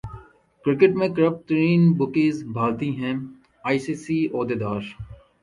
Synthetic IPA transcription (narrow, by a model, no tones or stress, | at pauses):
kɾɪkɪʈmẽkəɾəp̚ʈɾiːnbʊkiːzbʱaːlt̪iɦɛ̃ | aːisiːsiːoːd̪ed̪aːɾ